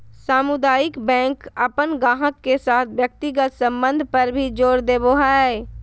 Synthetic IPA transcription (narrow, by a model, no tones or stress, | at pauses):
saːmʊd̪aːjɪkbɛ̃ːŋkəpənɡãːɦəkːesaːt̪ʰʋjək̚t̪ɪɡət̪sə̃mbə̃nd̪ʱpəɾbʱid͡ʒoːɾd̪eːboɦae